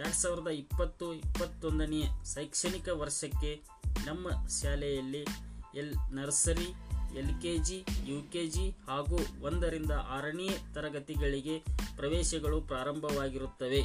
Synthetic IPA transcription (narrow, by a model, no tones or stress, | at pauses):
jaːɽsaːʋiɾɐd̪ɐipːɐt̪ːuipːɐt̪ːond̪ɐnɛjɐsɐjkʂɐɳikɐʋɐɾʂɐkːe̞ | nɐmːɐʃaːlɛjɐlːielnɐɾsɐɾielkeːd͡ʒijuːkeːd͡ʒihaːɡuːond̪ɐɾind̪ɐʔaːɾɐɳijɐt̪ɐɾɐɡɐt̪iɡɐɭiɡe̞pɾɐʋɛːʃɐɡɐɭupɾaːɾɐmbʱɐʋaːɡiɾut̪ːɐʋe̞